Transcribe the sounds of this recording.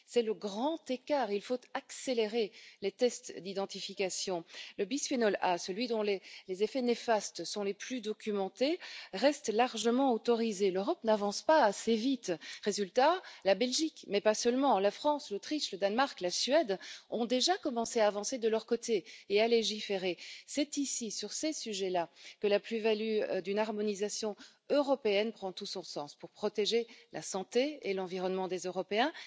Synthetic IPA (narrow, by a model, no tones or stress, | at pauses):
sɛləɡʁɑ̃t̪ekaʁilfot̪akseleʁelet̪ɛst̪d̪id̪ɑ̃t̪ifikasjɔ̃ləbispenɔlasəlɥid̪ɔ̃lelezefɛnefast̪sɔ̃leplyd̪ɔkʲymɑ̃t̪eʁɛst̪laʁʒəmɑ̃ot̪ɔʁizeløʁɔpnavɑ̃spaːsevit̪ʁezylt̪alabɛlʒikmɛpasœlmɑ̃lafχɑ̃slot̪χiʃləd̪anmaʁklasɥɛd̪ɔ̃d̪eʒakɔmɑ̃seaːvɑ̃sed̪əlœʁkot̪eealeʒifeʁesɛt̪isisyʁsesyʒɛlakəlaplyvalyd̪ynaʁmɔnizasjɔ̃ | øʁɔpeɛnpχɑ̃t̪usɔ̃sɑ̃spuʁpχɔt̪eʒelʔasɑ̃t̪eelɑ̃viʁɔnmɑ̃d̪ezøʁɔpeɛ̃